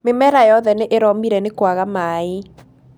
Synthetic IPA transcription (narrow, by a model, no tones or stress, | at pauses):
memɛɾajɔðɛneʔeɾɔmiɾɛnekwaɣamae